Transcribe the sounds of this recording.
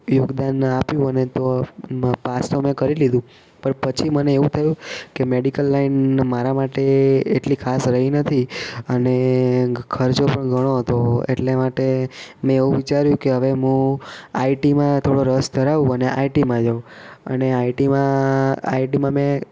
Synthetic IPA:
jʊɡd̪anapjũənet̪o | past̪omẽkəɾilid̪ũ | pəɳpət͡ʃʰiməneeʋũt̪ʰəjũkemeɽikəlːainmaɾamaʈeːʈlikʰasɾəɦinət̪ʰiəne | kʰəɾt͡ʃopəɳɡʱəɽ̃oɦət̪oḛʈlemaʈemɛ̃eʋũʋit͡ʃaɾjũkeɦəʋeɦũaiʈimãt̪ʰoɽoɾəsd̪ʱəɾaʋũəneʔaiʈimãd͡ʒə̃ə̰neaiʈimãa̰iʈimãmẽ

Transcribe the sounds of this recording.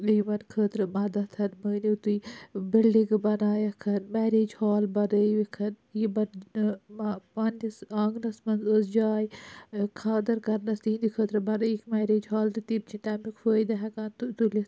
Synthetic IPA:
ʋijʋɐnkʰəːt̪ɾɨmɐd̪ɐt̪ʰɐnməːnit̪uibilɖiŋɡɨbɐnaːjɐkʰɐnmɛːɾeːd͡ʒhaːlbɐɾəʋikʰɐn | jibɐɾnmapaːnisãːŋɡnɐsmɐnzəsd͡ʒaːjkʰaːd̪ɐɾkɐɾnɐst̪iːnd̪ikʰəːt̪ɾɨbɐɾəikmɛːɾeːd͡ʒɦaːlɾit̪ib̚t͡ʃʰit̪amnikfəːjd̪ɐɦɐkaːnt̪ut̪ulʲi

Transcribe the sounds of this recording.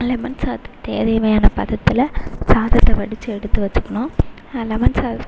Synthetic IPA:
lɛmɐnsaːt̪t̪eːðeːʋɐjaːnɐpɐðɐt̪ːɪlɐsaːðɐt̪ːɐʋɐɽɪt͡ʃːɯɛɽɯt̪ːɯʋɐt͡ʃːɯ̥kːɐɳʊ̃ː | lɛmɐnsaː

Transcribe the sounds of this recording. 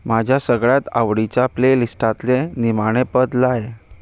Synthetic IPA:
mad͡ʑʱjasəɡɭjat̪a̰ʋɽit͡ɕaːplelisʈat̪lenimaɽ̃epəd̪laje

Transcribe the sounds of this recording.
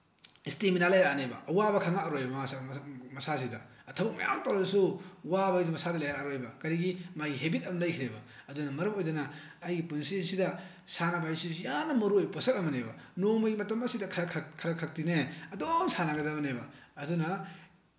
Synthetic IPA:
isteminalajɾanebɐ̰ɐwabɐkʰaŋaːɾojbɐasmɐsas̬idɐ̰ | ɐtʰɐbɐk̚mɐ̰ja̰mtɐwɾasuwabɐjdmɐsadɐlajɾaɾojbɐkɐɾiɡimajɡiɦebitɐmlɐjkʰiɾebɐɐdunɐmɐɾɐmojd͡ʒɐnɐː | jɡipunsisidɐ | sanɐbajsijanːɐmɐɾuojposɐk̚ɐmɐnebɐnomɐɡimɐtɐmɐsidɐkʰɾɐkʰkʰɐɾɐkʰɾɐk̚tineɐdoŋsanaɡɐdɐbɐnejbɐːdunɐ

